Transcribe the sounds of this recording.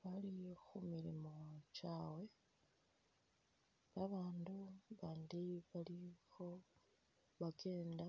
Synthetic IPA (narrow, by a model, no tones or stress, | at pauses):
βalixumiɾḭmo̞t͡ʃaːwe̞ | βaβaːnduβaːndiβalixo̞ | βaɡe̞ːnda